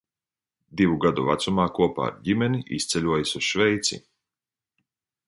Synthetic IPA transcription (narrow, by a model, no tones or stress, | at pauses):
d̪ivuɡad̪uvat̪sumaːkuɔpa̰ːɾɟimʲɛniʔḭst̪sʲɛlʲuɔjasusʃvɛjt̪sḭ